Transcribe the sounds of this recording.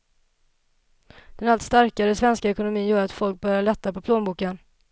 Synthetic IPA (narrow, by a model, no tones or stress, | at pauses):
d̪̥ɛnalt̪st̪aɾkaɾəsvɛnskaɛkʊnʊmiːnjœːɾat̪fɔlk̚bœɾjaɭɛt̪ːapɔpʰloːnbuːkən